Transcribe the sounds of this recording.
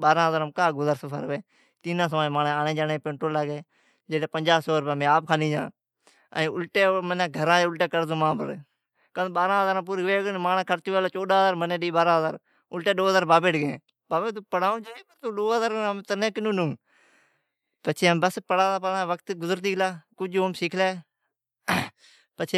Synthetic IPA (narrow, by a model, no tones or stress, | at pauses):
ɓaːɾãːɦəzaːɾəmkaːɡʊzaɾsəpʰə̰ɾʋeː | t̪iːnãːs̬ʋaːmãːneːaːnẽːd͡ʒaːnẽːpẽːɳʈɾoːlaːɡeː | d͡ʒeːleːpənd͡ʒaːsoːɾpeːmẽːaːp̚kʰaːnĩːd͡ʒã̰ː | ə̰̃ːʊlʈeːmənãːɡʱəɾãːd͡ʒeʊlʈeːkəɾd̪õːmãːpəɾ | kənɓaːɾãːɦəzaːɾãːp̬uːɾʋeːɡnmaːnaːkʰəɾt͡ʃɪʋeːlaːt͡ʃoːɗaːɦəzaːɾmənẽːɗiːɓaːɾãːɦəzaːɾ | ʊlʈeːɗoːɦəzaːɾbaːbeːʈɡẽː | baːbeːt̪̬uːpəɽaːõːd͡ʒaːẽːpəɾt̪oːɗoːəzaːɾmːt̪ənẽːkɪnũːnʊ̃ː | pət͡ʃʰeːmbəspəɽaːlaːpəɽãːʋəkt̪ɡʊzəɾt̪iːɡlaːkʊd͡ʒoːmsiːkʰleː | pət͡ʃʰeː